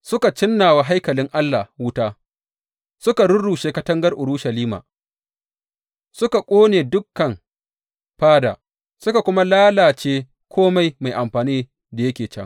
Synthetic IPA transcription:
sʊ˦ka˨t͡ʃɪ˦nːaː˨wa˨ɦa˦jkɐ˨lɪ˦ŋʔa˦lːa˨wʊ˦taː˦ | sʊ˦ka˨ɽʊ˦ɽuː˨ʃeː˦kɐ˦tɐ˦ŋɡɐ˦rʔʊ˨ɾʊ˦ʃɐ˨liː˦ma̰ː˨ | sʊ˦ka˨kʷʼoː˦neː˨dʊ˦kːɐ˨ŋ | ɸaː˦da̰ː˨ | sʊ˦ka˨kʷʊ˦ma˦laː˦laː˨t͡ʃeː˦ | kʷʰoː˦ma˨˦jma˨jʔa˨mɸaː˨niː˦ | da˨jɐ˦kʲeː˨t͡ʃɛ̰˦ŋ

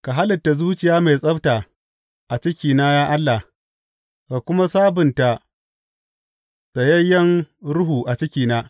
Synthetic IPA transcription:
ka˨ɦa˦lɪ˨tːa˨zuː˦t͡ʃɪ˨jaː˦me˨jsʼɐ˦bta˨ | ʔa˨t͡ʃɪ˦kʲiː˨na˦jaː˦ʔa˦lːa˨h | ka˨kʷʊ˦ma˦saː˦bɪ˨nta˨ | d̥a˨jɐ˦jːɐ˦ŋɽʊ˦ɦuː˨ʔa˨t͡ʃɪ˦kʲiː˨naː˦

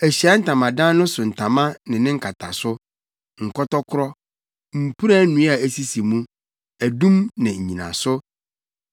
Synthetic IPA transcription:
æ˨ɕi˨a˦n̩˦˨tʰã˨mã˨dã˦nʊ̃˦sʊ˨n̩˨tʰã˨mã˦nɪ̃˨nɪ̃˦ŋ̩˦kʰa˨tʰa˨sʊ˦ | ŋ̩˨kɔ˦tɔ˦kʰʊ˦ɾɔ˦ | m̩˨pʰu˦ɾa˦nũ˨˦a˨æ˦˨si˦si˨mũ˦ | æ˨dũ˦mnɪ̃˨ɲ̩˨ɲĩ˨nã̰˨sʊ˦

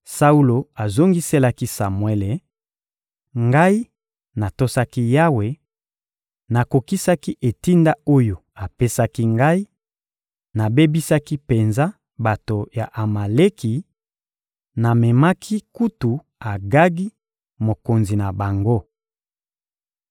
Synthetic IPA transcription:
sa˦u˦lo˨a˨zo˦ŋɡi˦se˦la˦ki˦sa˨mwɛ˦le˨ | ŋɡa˦i˦ | na˨to˦sa˦ki˦ja˦we˨ | na˨ko˨ki˦sa˦ki˦ʔe˨ti˦nda˦o˦jo˨ | a˨pe˦sa˦ki˦ŋɡa˦i˦ | na˨be˦bi˦sa˦ki˦pe˨nza˦ | ba˨to˨ja˨ʔa˨ma˨le˦ki˨ | na˨mɛ˨ma˦kʰi˦ku˦tu˨ | a˨ɡa˦ɡi˦ | mo˨ko˨nzi˨na˨ba˨ŋɡo˦

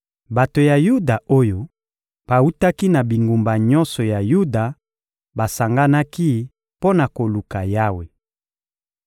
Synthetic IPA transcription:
ba˨to˨ja˨ju˦da˨o˦jo˦ | b̥a˨u˦ta˦ki˦na˨bi˨ŋɡu˨mba˨ɲɔ˦nsɔ˨ja˨ju˦da˨ | ba˨sa˨ŋɡa˦na˦ki˦ | po˦na˨ko˨lu˨ka˨ja˦we˨

